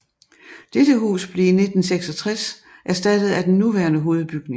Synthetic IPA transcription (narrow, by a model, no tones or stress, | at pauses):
d̥ed̥əɦṵːsb̥le̝ine̝d̥n̩seɡ̥sɒ̽t͡sʰʁasʔæɐsd̥æd̥əð̩ˠæd̥enːuʋæɐnəɦo̝ːð̩ˠb̥yɡ̥ne̝ŋŋ